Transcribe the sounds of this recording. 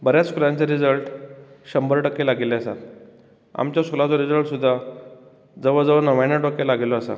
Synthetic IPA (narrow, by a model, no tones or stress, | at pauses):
bəɾjaskulãɲt͡seɾid͡zəlʈ | ɕəmbəɾʈəkːelaɡeleəsa̰t̪ | a̰mt͡ɕjasulat͡sɔɾid͡zəɭʈsud̪ʱːa | d͡zəʋəd͡zəʋənəʋãnjaʈəkːelaɡelɔəsa̰